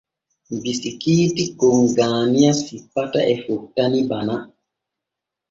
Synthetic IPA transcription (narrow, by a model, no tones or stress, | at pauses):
mbisikiːtikɔŋɡaːnijasipːataʔɛfuk̚tːanibana